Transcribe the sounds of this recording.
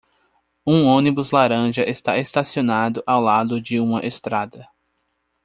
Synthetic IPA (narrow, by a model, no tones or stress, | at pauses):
ũõnibʊzlaɾɐ̃ʒɐʔest̪a̰est̪asionad̪ʊʔawlad̪ʊd͡ʒɪũmɐʔest̪ɾad̪ɐ